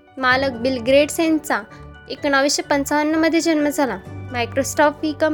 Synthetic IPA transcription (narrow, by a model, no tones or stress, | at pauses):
malək̚bilɡɾeɽsẽnt͡sa | ekɳaʋiɕəpənt͡saʋənːəməd̪ʱːjed͡ʑənməd͡zʱalamajkɾosʈɔfʋikəm